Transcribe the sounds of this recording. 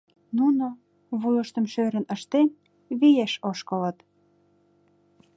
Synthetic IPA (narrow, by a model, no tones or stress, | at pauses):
nuno | βujəʃt̪ə̆mʃøɾə̆nəʃt̪en | βijæʃoʃkələ̆t̪